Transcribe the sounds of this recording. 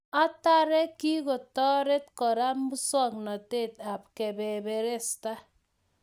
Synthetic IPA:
a˦ta˦ɾe˦ki˦ko˨tɔ˦ɾe˦t̚kɔ˨ɾa˦m̩˦bu˦sɔ˦˨k̚nɔ˨te˦˨ta˨p̚ke˨be˨be˨ɾe˦˨sta˦

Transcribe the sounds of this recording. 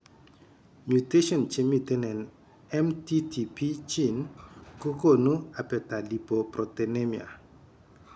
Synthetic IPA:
mju˨te˦ʃɔ˨nt͡ʃe˦mu˨te˦nɛ˨n | ɛ˦mti˦ti˨pi˦t͡ʃi˦nko˦ko˦˨nu˦a˨pɛ˨ta˨li˨po˨prɔ˨te˨ne˦mia̰˨

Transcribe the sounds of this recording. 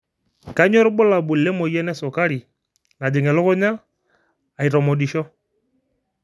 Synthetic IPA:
ka˨˦ɲɔ˦ɾɓʊ˦la˨bʊ˨lɛ˦mɔ˨jɛ˦nɛ˦sɔ˨ka˦ɾi˨ | na˨dɪ˨ŋɛ˨lʊ˦kʊ˦ɲa˦ | a˨i˨ɾɔ˨mɔ˨di˨ʃɔ˦

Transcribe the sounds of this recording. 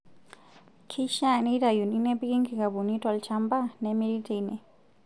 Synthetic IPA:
kʰi˦ʃa˦˨ni˦ɾa˨ju˨ni˦nɛ˦pi˦ki˦ŋki˨ka˨bu˨ni˦tɔ˨lt͡ʃa˦mba˦nɛ˨mi˦li˦tʰe˨nɛ˨

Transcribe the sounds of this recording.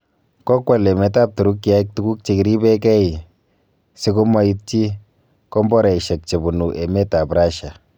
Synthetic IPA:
kɔ˦kwa˨le˨mɛ˨˦ta˦p̚tu˨ɾu˦kːi˦a˦i˦k̚tu˦ku˦k̚t͡ʃe˨ki˨ɾi˦bɛ˦kɛ˦i˨ | se˦ko˦ma˦i˦t̚t͡ʃi˦ | kɔ˦mbɔ˦ɾɛ˨i˨ʃɛ˨k̚t͡ʃe˨bu˨nu˨ʔɛ˨mɛ˦ta˨pɾa˦ʃa˨

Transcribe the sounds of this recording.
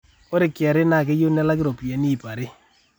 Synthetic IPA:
o˦ɾe˨kja˨ɾe˦na˨ke˦jo˦na˦la˦kɪ˦ɾo˨pi˨ɛ˨˦ni˦˨pa˨ɾɪ˦

